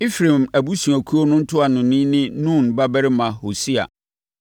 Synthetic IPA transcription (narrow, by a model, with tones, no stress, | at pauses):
i˦fɾẽ˨mæ˨bu˦su˨æ˨kʰu˦o˦nʊ̃˦n̩˦tʰʊ˦a˨nʊ̃˨nĩ˦nɪ̃˦nũ˦˨nba˦bɛ˦ɾɪ˦mã˨ho˨si˦a̰˨